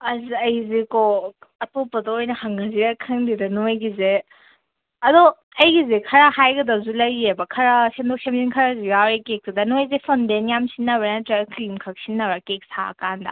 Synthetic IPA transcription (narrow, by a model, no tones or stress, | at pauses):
ɐziɐjzekoɐtopːɐdɐojnɐhaŋɡaziɾɐkʰɐŋdidɐnojɡize | ɐdo | ɐjɡizekʰɐɾahajɡɐdɐzulɐjebɐkʰɐɾɐsendok̚semsinkʰɐɾazijawɾekek̚tɐdɐnojzepʰondenjamsinːɐbɾenɐtɾaklimkʰɐk̚sinːɐwɾɐkek̚sa̰ɐ̰kandɐ̰